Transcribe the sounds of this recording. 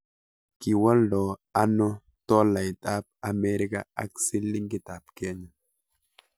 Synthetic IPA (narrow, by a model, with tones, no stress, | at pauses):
ki˨wə˦ldo˨a˦no˦ | t̪o˦la˨jt̪ʼa˦p̚a˨me˦ɾi˦ka̰˨a̰˦ksi˦li˦ŋɡi˦t̪a˨p̚ke˦ɲa˨